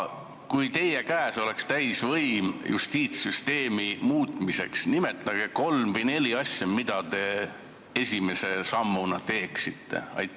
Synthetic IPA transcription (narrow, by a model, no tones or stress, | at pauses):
kujt̪e̞jekæːso̞le̞kst̪æjsvɤjmjṵst̪iːt̪syst̪e̞ːmimuːt̪ːˑmise̞̰ksnime̞t̪ˑːɑɡ̥e̞ko̞lmvine̞lʲiɑsʲjɑmid̪̥ɑt̪e̞ | e̞sʲime̞se̞sɑmːunɑt̪e̞ːksit̪ːe̞̰ɑ̰j̪